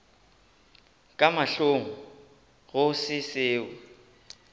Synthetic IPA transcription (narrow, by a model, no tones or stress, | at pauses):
kʼamaɬoŋ̩ | ɣʊsɪseːwɛ